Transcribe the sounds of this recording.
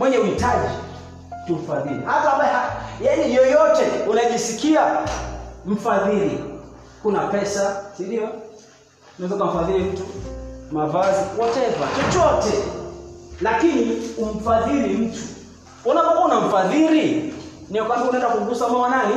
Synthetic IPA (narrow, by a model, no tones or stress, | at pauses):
mwɛɲɛuhitaʄi | tum̩faðiɾḭhataambajɛhajaɲɛjɔjɔtɛunaʄisikia | m̩faðiɾi | kunapɛsasiɗiɔ | nawɛzaukam̩faðiɾim̩tumavaziɔtɛvat͡ʃɔt͡ʃɔtɛ | lakinium̩faðiɾim̩tu̥ | unapaunam̩faðiɾi | niɔkaɾiunaɛndakuɡusamamanani